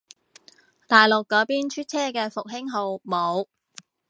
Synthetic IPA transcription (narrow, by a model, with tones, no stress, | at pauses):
t̪aː˨˩jlʊ˨kːɔː˨˥piː˥nt͡ʃʰyː˥t̚t͡sʰɛː˥kɛː˧fʊ˨k̚ɦɪ˥ŋɦo˨˧wmo˨˧w